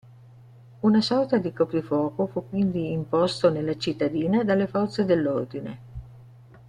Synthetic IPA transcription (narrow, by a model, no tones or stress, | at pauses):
unasɔrt̪ad̪ikɔpɾifwɔːkofukːwind̪iːmpɔst̪onelːat͡ʃit̪ːad̪iːnad̪alːefɔrt̪sed̪elːord̪inḛ